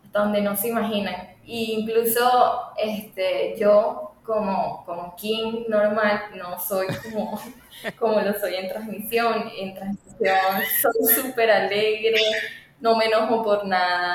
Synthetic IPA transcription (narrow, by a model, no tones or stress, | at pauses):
at̪aðond̪enoseimaɦinaŋiːŋklusoest̪ed͡ʒokomokomokjeŋnoɾmalnosojkomo | komolosojent̪ɾasmisjoŋent̪ɾasmisjonsojsupeɾaleɣɾe | nomenoɦopoɾnaða